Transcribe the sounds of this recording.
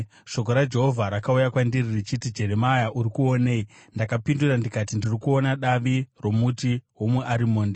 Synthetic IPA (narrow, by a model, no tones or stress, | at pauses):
ʃo̞k̬o̞ɾad͡ʒe̞ɦo̞vʱaɾakaujakwandiririt͡ʃitid͡ʒe̞ɾe̞majaʔurikuo̞nei | ndakapindurandikatindirikuo̞naɗaʋiro̞mutiɦo̞muʔaɾimoːnde